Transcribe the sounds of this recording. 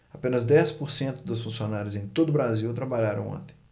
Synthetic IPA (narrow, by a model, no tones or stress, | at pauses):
apẽnɐzd̪ɛspoɾsẽnt̪ʊd̪ʊsfũsionaɾjʊzẽj̃t̪od̪ʊbɾaziwt̪ɾabaʎaɾɐ̃w̃õ̰nt̪ẽj